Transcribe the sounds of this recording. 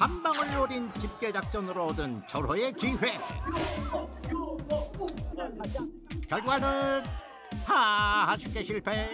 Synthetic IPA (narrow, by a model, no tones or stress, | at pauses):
pambaŋɯɭːoɾint͡ɕip̚k͈e̞d͡ʑak̚t͡ɕ͈ʌnɯɾodɯnt͡ɕʌɾʌe̞kiɸwe̞ | kjʌɭɡwanɯn | hahaɕʰik͈eɕʰiɭpʰe